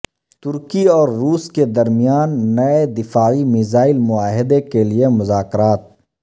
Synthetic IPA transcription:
t̪ʊɾkiɔːɾːuːsked̪ɐɾmijaːnːɐed̪ɪfaːimɪzaːɪlmʊaːɦɪd̪ekeliemʊzaːkɾaːt̪̚

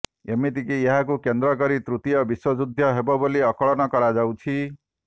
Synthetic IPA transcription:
emit̪ikieɦakukend̪ɾɔk̬ɔɾit̪ɾut̪ijɔbiswɔd͡ʒud̪ʱːjɔɦebɔboliɔkɔɭɔnɔkɔɾad͡ʒawt͡ʃʰi

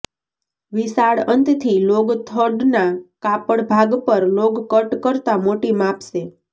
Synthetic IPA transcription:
ʋisaɽənt̪t̪ʰiloɡt̪ʰəɖnakapəɽbʱaɡpəɾloɡkəʈkəɾt̪amoʈimapʃe

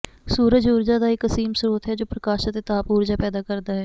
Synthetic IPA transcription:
suːɾəd͡ʒuːɾd͡ʒaːd̪aːɪkəsiːmsəɾuːt̪ɦɛːd͡ʒoːpɾəkaːʃət̪eːt̪aːpuːɾd͡ʒaːpɛːd̪aːkəɾd̪aːɦɛː

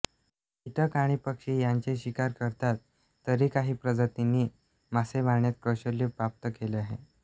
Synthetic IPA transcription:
it̪ʰəkaɽ̃iːpəkʂiːjaɲt͡ɕeɕikaɾkəɾt̪at̪ː | əɾiːkaɦiːpɾəd͡zət̪iniː | maseʋaɳjat̪̚kəɕəljupap̚t̪əkeleaɦḛ

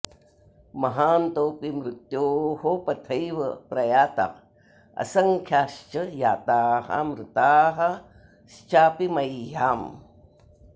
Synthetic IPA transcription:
mɐɦaːnt̪oːpimɾut̪joːɦopɐt̪ʰəjʋəpɾɐjaːt̪ɐ̰q | ɐ̰sɐŋkʰjaːʃt͡ʃəjaːt̪aːhɐ̰mɾut̪aːɦɐ | ʃt͡ʃaːpimɐjːaːm

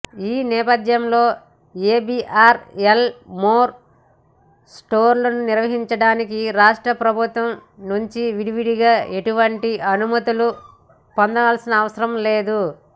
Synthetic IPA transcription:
iːnɛːpɐd̪jɐmlo̞ː | eːbiʔaːɾelmoːɾ | sʈo̞ːɾlɐnuniɾʋɐɦiɲt͡ʃɐɽaːnikiɾaːʂʈɾɐpɾɐbʱut̪ʋɐmnuɲt͡ʃiʋiɽiʋiɽiɡaːʔe̞ʈuʋɐɳʈiʔɐnumɐt̪ulu | pond̪ɐʋaːlsinɐːʋɐsɐɾɐmle̞ːd̪u

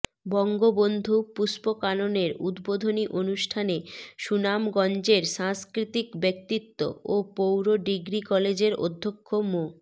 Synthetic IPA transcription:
bɔŋɡobond̪ʱupuspokanoneɾud̪bod̪ʱoniʔonuʃʈʰaneʃunamɡɔnd͡ʑeɾʃãŋskɾit̪ikbek̚t̪it̪ːo̰opowɾoɖiɡɾikɔled͡ʑeɾo̰d̪ʱːokʰːomo

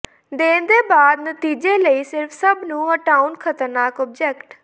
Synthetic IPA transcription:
d̪eːnd̪eːbaːd̪nət̪iːd͡ʒeːləiːsɪɾpʰsəbnũːɦəʈaːunkʰət̪əɾnaːkɔːb̚d͡ʒɛkʈ

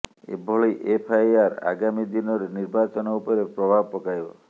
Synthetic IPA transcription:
ḛbʱɔɭɔjʔepʰajaɾa̰ɡamid̪inɔɾeniɾbat͡ʃɔnɔupɔɾepɾɔbʱabpɔkajbɔ̰

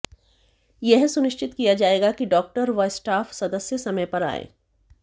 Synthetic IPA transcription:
jɛɦsʊnɪʃt͡ʃɪt̪kijad͡ʒaːeːɡakiɖɔːk̚ʈəɾʋɐsʈaːfsɐd̪əsjəsɐməjpɐɾa̰ːḛː

